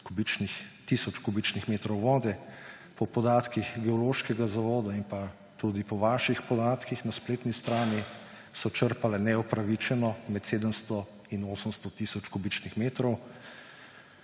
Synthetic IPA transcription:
kubit͡ʃnixt̪isɔt͡ʃkubit͡ʃnixmeːt̪ɾɔwʋɔːd̪ɛ | pɔpɔd̪aːt̪kixɡɛɔloːʃkɛɡazaʋɔːd̪aimpa | t̪ud̪ipɔʋaːʃixpɔd̪aːt̪kixnaspleːt̪nist̪ɾaːni | sɔt͡ʃəɾpalɛnɛɔpɾaʋit͡ʃɛnɔmɛt̪seːd̪əmst̪ɔ | inoːsəmst̪ɔt̪isɔt͡ʃkubit͡ʃnixmeːt̪ɾɔw

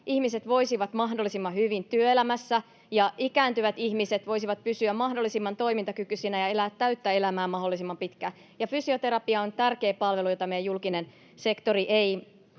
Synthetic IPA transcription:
ʔihmiset̪ʋo̞isiʋɑt̪mɑɦdolːisimːɑhyʋint̪yøelæmæsːæ | jɑikæːnt̪yʋæt̪ihmiset̪ʋo̞isiʋɑt̪̚pysyæmɑhdolːisimːɑnt̪o̞imint̪ɑkykysinæjɑelæːt̪ːæyt̪ːæe̞læmæːmɑɦolːˑisimːɑmpit̪kæ | jɑfysiot̪e̞ɾɑpiɑont̪ærke̞ːpɑlʋe̞lujot̪ɑmejæjulkinen | se̞kt̪oriʔei

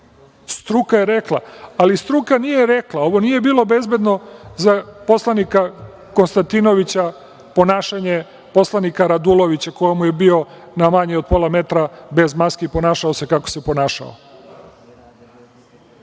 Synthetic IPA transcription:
st̪ɾukajeɾeklˠaalist̪ɾukanijeɾeklˠao̞ʋonije̞biːlˠo̞be̞zbe̞d̪no̞zapo̞slˠanika | konst̪ant̪ino̞ʋit͡ɕa | po̞naːʃaɲe | po̞slanikaɾad̪ulˠo̞ʋit͡ɕakojomuje̞bio̞namaɲeod̪̚po̞lˠame̞t̪ɾabe̞zmaskiipo̞naːʃaose̞kako̞̥se̞po̞naːʃa̰o̰

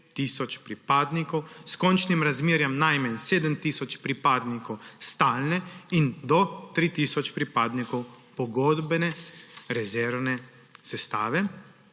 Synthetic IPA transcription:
t̪iːsɔt͡ʃpɾipaːd̪nikɔwskɔnt͡ʃnimɾazmeːɾjɛmnajmɛnseːd̪əmt̪iːsɔt͡ʃpɾipaːd̪nikɔwst̪aːlnɛind̪ɔt̪ɾit̪iːsɔt͡ʃpɾipaːd̪nikɔw | pɔɡɔːd̪bɛnɛɾɛzɛɾwnɛ | sɛst̪aːʋɛ

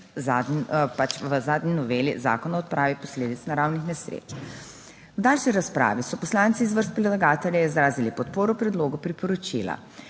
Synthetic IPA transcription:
zaːd̪pat͡ʃʋəzaːd̪ninɔʋelḭza̰ːkɔnaɔt̪̚pɾʔaːʋipɔsleːd̪it̪snaɾawnixnɛsɾḛːt͡ʃ | wd̪alʃiɾaspɾa̰ːʋisɔpɔslaːnsiːzʋəɾst̪̚pɾɛd̪laɡaːt̪ɛljaizɾaːzilipɔt̪poːɾɔpɾɛd̪loːɡupɾipɔɾɔt͡ʃḭla̰

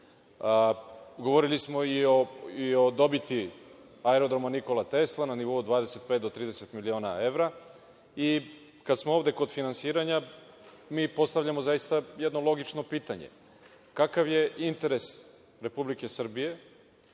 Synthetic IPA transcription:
ɡo̞ʋo̞ɾilismo̞ioio̞d̪o̞bit̪i | aeɾod̪ɾomaniko̞lat̪e̞slˠananiʋo̞ud̪ʋaːd̪e̞se̞t̪̚pet̪d̪o̞t̪ɾiːd̪ese̞t̪milio̞ːna̰e̞ʋɾa | i | kad̪smooːvd̪e̞ko̞d̪finansiːɾaɲa | miːpo̞st̪aʋʎamozajist̪ajed̪nolˠo̞ɡit͡ʃno̞piːt̪aɲḛ | kakaʋje̞int̪e̞ɾe̞s | ɾe̞publike̞sr̩bije̞

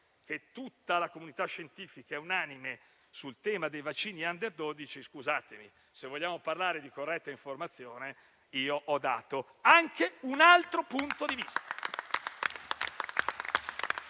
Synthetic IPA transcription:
k̟et̪ːut̪ːalakomunit̪aʃːent̪iːfikaɛunaːnime | sult̪ɛːmad̪ejvat͡ʃːiːniand̪erd̪oːd̪it͡ʃiskuzaːt̪emḭ | sevoʎːaːmoparlaːɾed̪ikorːɛt̪ːaiɱformat̪sːjoːne | iːoʔɔd̪ːa̰ːt̪oaŋkʰeunalt̪ɾopunt̪od̪ivist̪ḁ

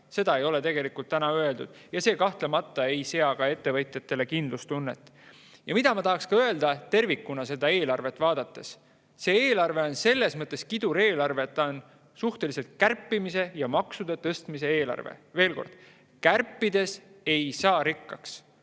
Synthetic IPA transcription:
se̞d̪ɑe̞jo̞le̞t̪e̞ɡ̥e̞likult̪ːænɑøe̞ld̪ud̪̥ | jɑse̞ːkɑht̪le̞mɑt̪ːˑɑe̞jse̞ɑkɑe̞t̪ːe̞vɤjt̪ˑjɑt̪ːˑe̞le̞kind̪lust̪unːe̞t̪ˑː | jɑmid̪̥ɑmɑt̪ɑɦɑkskɑø̞e̞ld̪̥ɑt̪e̞rvikːunɑse̞d̪ɑe̞ːlɑrve̞t̪ːˑvɑːd̪̥ɑt̪ːˑe̞s | se̞ːeːlɑrve̞o̞nse̞lːe̞smɤt̪ˑːe̞skid̪̥uɾe̞ːlɑrve̞ːt̪ːɑon | suht̪e̞lise̞lt̪̚kærpːimise̞jɑmɑksud̪̥et̪ɤ̞st̪mise̞e̞ːlɑ̰rvḛve̞ːlko̞̰rd̪̥ | kærpːid̪e̞se̞jsɑːɾikːɑks

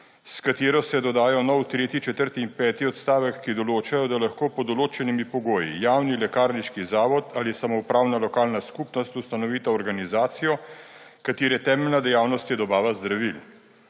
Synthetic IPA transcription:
skat̪eːɾɔsɛd̪ɔd̪aːjɔnɔwt̪ɾeːt̪it͡ʃɛt̪əɾt̪iːmpɛːt̪iɔt̪st̪aːʋɛkːid̪ɔloːt͡ʃajɔd̪alaxkoːpɔd̪ɔloːt͡ʃɛnimipɔɡoːjḭjaːwnilɛkaːɾniʃkizaːʋɔt̪alisamɔupɾaːwnalɔkaːlnaskupnɔst̪ust̪anɔʋiːt̪aɔɾɡanizaːt̪sijɔ | kat̪eːɾɛt̪ɛːmɛlnad̪ɛjaːwnɔst̪jɛd̪ɔbaːʋazd̪ɾaʋil

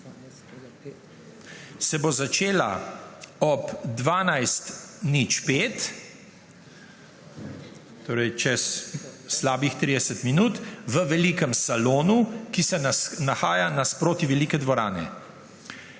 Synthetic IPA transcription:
sɛbozat͡ʃeːla̰ | ɔpd̪ʋaːnajst̪nit͡ʃpeːt̪ | t̪oːɾɛjt͡ʃɛsː | laːbixt̪ɾiːd̪ɛsət̪minuːt̪ʋəʋɛlikəmsaloːnukisɛnaxaːjanaspɾoːt̪iʋɛliːkɛd̪ʋɔɾa̰ːnɛ̰

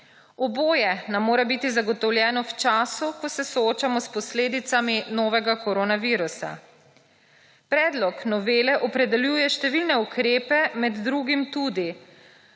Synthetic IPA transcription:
ɔboːjɛnamːoːɾɛbit̪izaɡɔt̪ɔwljɛːnɔwt͡ʃaːsukɔsɛsɔoːt͡ʃamɔspɔsleːd̪it̪saminɔːʋɛɡakɔɾoːnaʋiːɾusa̰ | pɾɛːd̪lɔknɔʋeːlɛʔɔpɾɛd̪ɛljuːjɛʃt̪ɛʋilnɛukɾeːpɛmɛd̪ːɾuːɡimt̪uːd̪i

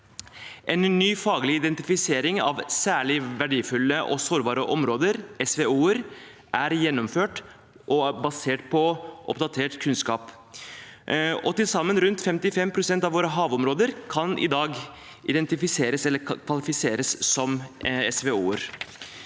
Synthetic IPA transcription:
ʔɛnnyːfɑːɡlɪɪd̪ɛnt̪ɪfɪseːɾɪŋɑ̰ʋsæːɭɪʋæɖiːfʉlːəʔɔ̰soːɾbɑːɾəʔɔmɾoːd̪əɾɛsʋeuːəɾ | ʔæɾjɛnːɔmføːʈ | ʔɔbɑseːʈ̚pʰɔʔɔ̰pd̪ɑt̪ʰeːʈkʰʉnskɑːp | ɔt̪ɪlsɑmːənɾʉnt̪fɛmt̪ɪfɛmpʰɾʊsɛnt̪ɑʋoːɾəɦɑːʋɔmɾoːd̪əɾkʰɑnʔɪ̰d̪ɑːɡ | ʔɪd̪ɛnt̪ɪfɪseːɾəsɛlːəkʰʋɑlɪfɪseːɾəssɔmɛsʋeuːəɾ

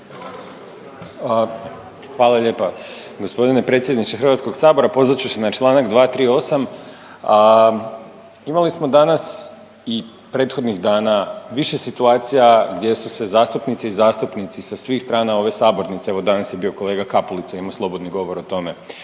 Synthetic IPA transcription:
xʋaːlˠaʎe̞ːpa | ɡo̞spo̞d̪ine̞pɾe̞t̪sʲje̞d̪nit͡ʃexr̩ʋat̪sko̞ɡsaːbo̞ɾapo̞zɾat͡ɕusenat͡ʃlˠaːnaɡd̪ʋaːt̪ɾiːo̞sam | imalismo̞d̪anas | i | pɾe̞ːt̪xo̞d̪niɣd̪aːnaʋiʃe̞sit̪uaːt̪sijaɡd̪ʲje̞suse̞zaːst̪upnit̪seizaːst̪upnit̪sisasʋiːxst̪ɾaːnao̞ʋe̞saːbo̞ɾnit̪seeʋo̞d̪anasje̞bio̞ko̞leːɡakapulit̪saimaslˠo̞bo̞d̪niɡo̞ʋo̞ɾot̪o̞me̞

